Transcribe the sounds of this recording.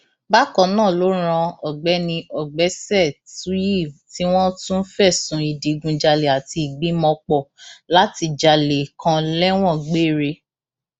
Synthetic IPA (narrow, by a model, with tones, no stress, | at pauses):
ba˦kɔ̃˧˨nãː˦˨lo˨˦ɾ̃ã˧ɔ˨ɡ͡bɛ˨˦nĩ˧ʔɔ˨ɡ͡bɛ˨˦sɛ˦˨tu˨˦ji˦˨ti˦w̃ɔ̃˦tũ˦n̩˦fɛ˦˨sũ˨˧i˨di˨˦ɡũ˧d͡ʒa˧le˨a˨ti˧i˨ɡ͡bi˨˦mɔ̃˧k͡pɔ˦˨la˨˦ti˧d͡ʒa˧le˨kʰã˧lɛ˦w̃ɔ̃˦˨ɡ͡be˦˨ɾe˧